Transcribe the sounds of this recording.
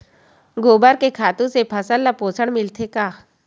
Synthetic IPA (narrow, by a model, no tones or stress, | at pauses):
ɡoːbəɾkekʰaːt̪ũsepʰɐsəlːapoːsəɽmɪlt̪ʰekaː